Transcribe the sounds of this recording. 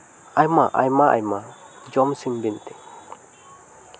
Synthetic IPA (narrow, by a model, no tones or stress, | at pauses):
ajmaʔa̰jmaʔa̰jma | d͡ʒɔmsimbint̪i